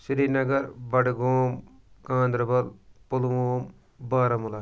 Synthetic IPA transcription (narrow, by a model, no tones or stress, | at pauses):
sɾiːnɐɡɐɾbɐɖɡoːm | kãːnd̪ɾɐbɐlpulʋoːm | baːɾɐmula